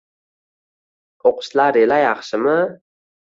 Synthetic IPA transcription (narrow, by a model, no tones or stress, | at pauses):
oqʊ̥ʃlaɾelajɑχʃɪmɪ